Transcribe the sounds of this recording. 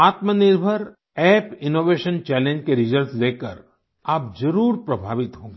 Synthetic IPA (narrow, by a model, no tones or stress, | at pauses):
aːt̪mənɪɾbʱəɾ | ɛːpɪnoːʋeːʃənt͡ʃɛːlẽɲd͡ʒkeɾɪzəɾsleːkəɾ | aːp̚d͡ʒɐɾuːɾpɾɐbʱaːʋɪt̪ɦõː